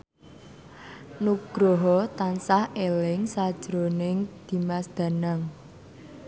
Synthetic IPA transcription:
nuɡ̥ɾɔɦɔt̪ansahelɪŋsad̥ʒ̥ɾonɪŋd̪̥i̤masd̪̥a̤naŋ

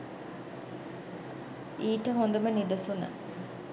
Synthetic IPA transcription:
iːʈəɦond̪ɐmənid̪ɐsunɐ̰

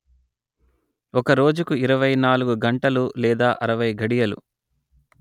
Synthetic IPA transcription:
ɔkɐɾo̞ːd͡ʒukuiɾɐʋɐjnaːluɡuɡɐɳʈɐlulɛːd̪aːʔɐɾɐʋɐjɡɐɽijɐlṵ

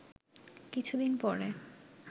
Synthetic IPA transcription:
kit͡ɕʰud̪inpɔɾe

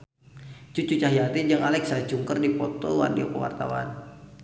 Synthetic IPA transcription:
t͡ʃut͡ʃut͡ʃaɦijat̪id͡ʒəŋalɛksat͡ʃuŋkərdipɔt̪owa̰rdiokəwa̰rt̪a̰wa̰n

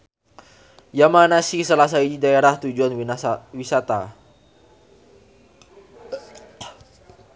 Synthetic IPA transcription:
jamanasisəlas̬aididaeɾaht̪ud͡ʒuanwisat̪a

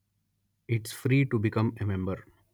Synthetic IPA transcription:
ɪʈsfɾiːʈubɪkʌ̃memẽmbəɾ

